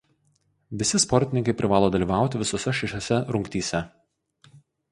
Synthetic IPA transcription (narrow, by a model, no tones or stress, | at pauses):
ʋʲɪsʲɪspɔɾʲt̪ʲɪnʲɪŋkɐɪpʲɾʲɪʋɑːlˠoːd̪ɐlʲiːʋɑˑʊt̪ʲɪʋʲɪsɔːsʲɛʃʲɛʃʲoːsʲɛɾʊŋʲkt̪ʲiːsʲɛ